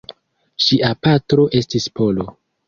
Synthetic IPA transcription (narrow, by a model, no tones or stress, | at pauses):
ʃiʔapatɾo̞ʔe̞stispʰo̞lo̞